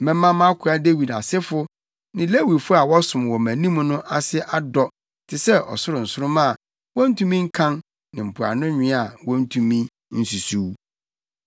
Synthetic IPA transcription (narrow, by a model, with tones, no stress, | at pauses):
mɛ̃˦mã˦mã˦kʰʊ˨˦a˦de˦wi˨da˨sɪ˦fʊ˦ | nɪ̃˨le˦wi˨dfʊ˦a˨wɔ˦sʊ̃˨m˨wɔ˨mæ̃˨nĩ˦m˦nʊ̃˦ʔa˨sɪ˦ʔa˦dɔ˦ | tʰɪ˨sɛ˦ʔɔ̰˨sʊ˦ɾʊ˨n̩˨sʊ˦ɾʊ̃˦mã˦˨ | wɔ̃˦n̩˦tʰũ˦mĩ˦ŋ̩˦kʰã˦n | nɪ̃˨m̩˨pʰʊ˨a̰˨nʊ̃˦ɲᶣɪ̃˦a˨wɔ̃˦n̩˦tʰũ˦mĩ˦ | n̩˦su˨su˦w